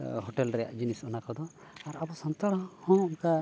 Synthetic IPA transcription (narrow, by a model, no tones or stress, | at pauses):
ɦɔʈɛlɾɛja̰ʔd͡ʒinisɔnakɔd̪ɔ | aɾabɔsɔnt̪aɽɔhɔ̃unka